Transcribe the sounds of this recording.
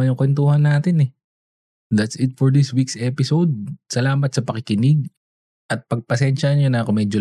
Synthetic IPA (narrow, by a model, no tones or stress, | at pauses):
ɐnjʊŋkwɛnt̪uːhɐnːaːt̪ɪnɛ | d̪ɐt̪sɪt̪̚fɔɹd̪ɪswiksɛpɪsowd̪̚sɐlaːmɐt̪̚sɐpɐkɪkɪnɪɡ̚ | ʔɐt̪̚pɐɡ̚pɐsɛnʃɐɲonɐkomɛːd͡ʒo